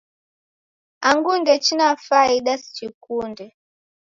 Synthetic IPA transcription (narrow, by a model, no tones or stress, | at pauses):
aŋɡundɛt͡ʃinafaiɗasi̥t͡ʃikundɛ